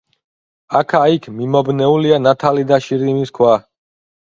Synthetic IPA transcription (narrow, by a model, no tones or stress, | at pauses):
akʰaikʰmimɔbnɛulianat̪ʰalid̪aʃiɾimiskʰwa